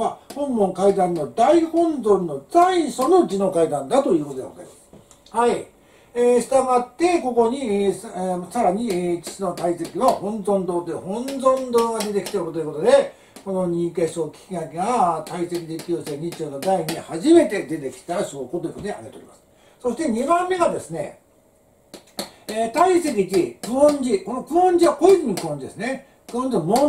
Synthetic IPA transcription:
ahõ̞mːõ̞ŋkaid̪ãnːo̞d̪aihõ̞nzõ̞nːo̞d͡zaiɕono̞d͡ʑino̞kaid̪ãnd̪at̪o̞jɯ̟ːkot̪od̪eɡoza̰ɾḭmasɨ | hai | eːɕi̥t̪amat̪ːe̞ko̞ko̞ɲ̟issaɾaɲ̟it͡ɕi̥sino̞t̪aise̞kʲinohõ̞nzõ̞nd̪o̞ːt̪ehõ̞nzõ̞nd̪o̞ːɡad̪e̞t̪e̞kʲi̥t̪eoɾɯ̟t̪o̞jɯ̟ko̞t̪o̞d̪e̞ | ko̞no̞ɲ̟ĩke̞ɕoːkʲi̥kʲiɡakʲeɡat̪aise̞kʲid̪ekʲoːse̞ːɲ̟it͡ɕoːnod̪aiɲ̟ihaʑime̞t̪e̞d̪e̞t̪e̞kʲi̥t̪aɾaɕookot̪oiɯkot̪oneia̰ɡeoːɾʲḭmasɨ̥ | so̞ɕi̥t̪e̞ɲ̟ibãmːe̞ɡad̪e̞sɨne̞̰ | t̪aise̞k̬ʲid͡ʑikɯ̟õɲd͡ʑiko̞no̞kɯ̟õɲd͡ʑiβakoikʲiɲikɯ̟õɲ̟d͡ʑid̪e̞sɨne̞ | kɯ̟õɲd͡ʑiomo

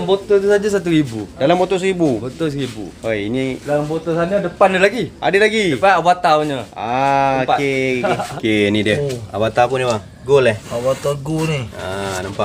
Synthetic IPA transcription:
mbot̪ət̪usad͡ʒas̬at̪̬uɾibudalambot̪os̬ɾibubət̪os̬ɾibṵojinilalmbot̪osaɲadəpanːəlaɡia̰dəlaɡiəpanabat̪awɲəapakekkenidiəa̰bat̪apunibaŋ | ɡolɛhabat̪oɡunianampa

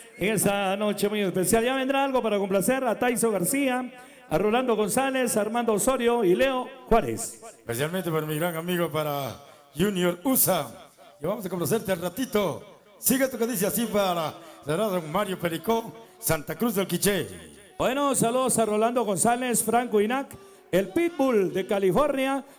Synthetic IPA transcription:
eŋesanot͡ʃe̞mujespesjalʝaβe̞nd̪ɾaalɣo̞paɾakomplaseɾat̪ajsoɣaɾsia | aroland̪oɣo̞nsalesaɾmãnd̪osoɾjoileoxwalḛsespesjalmẽnt̪̬epaɾamiɣɾaŋamiɣopaɾa | ʝunjoɾusa | aβamos̬akonos̬eɾt̪elrat̪it̪o | siɣet̪okeðis̬easipaɾaseɾaðoŋmaɾjopeɾikosant̪akɾuzðelkit͡ʃe | bwenosaluðosaroland̪oɣonsalesfɾaŋkoinak | elpit̪̚buld̪ekalifoɾnja

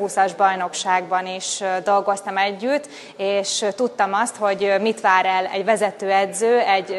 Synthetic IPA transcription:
usɒʒbɒjno̞kʃaːɡbɒniʃd̪o̞lɡo̞st̪ɒmɛɟːyt̪ː | eːʃt̪ut̪ːɒmɒst̪ho̞ɟmit̪ʋaːɾɛlɛ̰ɟʋɛzɛt̪øːɛd̪zøːɛɟ

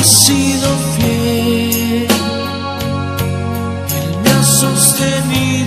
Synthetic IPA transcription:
siðofje | l | elmeasost̪eni

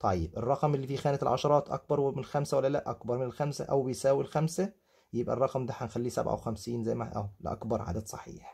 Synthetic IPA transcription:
t̪ˤʰɑjːebʔerˤːɑqmelːiːfiːxæːnæt̪elʕɑ̰ʃɑɾˤɑːt̪ˤʔɑ̰k̚bɑɾˤwemenelxæmsæwælːælæʔɑkbɑɾˤmenelxæmsæ̰ʔæwbejsæːwilxæmsæ | jebʔærˤːɑqmd̪æħænxælːiːsæ̰bʕa̰wexæmsiːnzæjmæʔæ̰wlḛʔɑ̰kbɑɾˤʕa̰ːd̪æd̪̥sˤɑ̰ħḭːħ

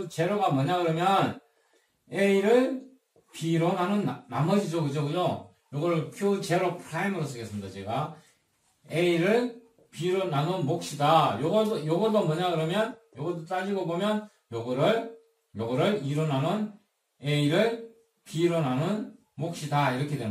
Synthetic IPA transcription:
t͡ɕe̞ɾoɡamʌɲaɡɯɾʌmjʌn | eiɾɯɭ | piɾonɦanɯnnamʌd͡ʑid͡ʑokɯd͡ʑokɯd͡ʑo | joɡʌɾɯɭpʰjut͡ɕeɾopʰɯɾaimɯɾos̬͈ɯɡe̞s͈ɯmid̪at͡ɕe̞ɡa | eiɾɯɭ | piɾonɦanonmok̚ɕ͈idajoɡʌojoɡʌdomwʌɲaɡɯɾʌmjʌnjʌɡʌdot͈ad͡ʑiɡobomjʌn | joɡʌɾɯɾ | joɡʌɾɯɭiɾonɦanɯn | eiɾɯɭ | piɾonɦanɯn | mok̚ɕ͈idaiɾʌkʰedwe

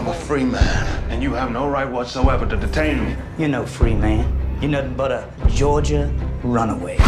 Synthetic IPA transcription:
ãɪ̃məfɹimæ̃nɨ̃njɨːvnoʊɹaɪt̚wʌtsoʊɛvə˞ɾɨdɨtʰẽɪ̃nmi | jɨnoʊfɹimæ̃njɨnoʊbʌɾə | d͡ʒɔɹd͡ʒəɹʌ̃nəweɪ

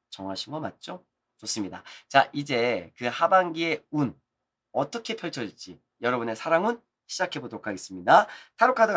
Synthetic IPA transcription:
t͡ɕʌŋɦaɕʰinɡʌmat̚t͡ɕ͈o | t͡ɕos͈ɯmɲida̰t͡ɕaʔid͡ʑe̞kɯhabaŋɡie̞un | ʌt͈ʌkʰe̞pʰjʌɭt͡ɕʰʌd͡ʑit͡ɕ͈i | jʌɾʌbune̞sʰaɾaŋɯn | ɕʰid͡ʑakʰe̞bodoɾokʰaɡe̞s͈ɯmɲidatʰaɾokʰada

